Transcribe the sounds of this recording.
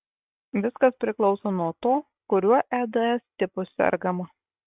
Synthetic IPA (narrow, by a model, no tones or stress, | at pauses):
ʋʲɪskɐspʲɾʲɪklˠɒʊsoːnuɔt̪oː | kʊɾʲuɔʔæːd̪ɐɛsʲt̪ʲɪpʊsʲɛ̰ɾʲɡɐmɐ